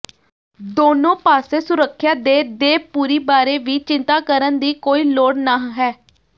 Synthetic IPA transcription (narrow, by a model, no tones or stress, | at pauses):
d̪oːnõːpaːseːsʊɾəkʰːjaːd̪eːd̪eːpuːɾiːbaːɾeːʋiːt͡ʃɪnt̪aːkəɾənd̪iːkoːiːloːɽnaːɦɛː